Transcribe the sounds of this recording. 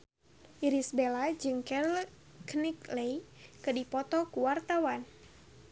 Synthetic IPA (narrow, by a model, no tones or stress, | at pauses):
ʔiɾisbelad͡ʒɨŋkɛɾl | kniklejkɨdipɔt̪ɔkuwart̪awan